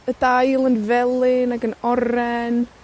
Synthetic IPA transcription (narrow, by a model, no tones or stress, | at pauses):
ədajlˠənvɛlˠɪnaɡənɔɾɛn